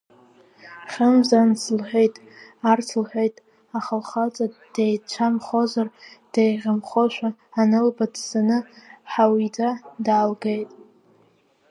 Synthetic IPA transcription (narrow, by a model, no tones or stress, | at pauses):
χʲəmzanslħʷᶣejtʼ | art͡sʰlħʷᶣejtʼ | aχəlχat͡sʼad̥ejt͡ʃʷʰamχozard̥ejʁʲamχoʃʷᶣaːnɨlbadsanɨħawit͡sʼadaːlɡejtʼ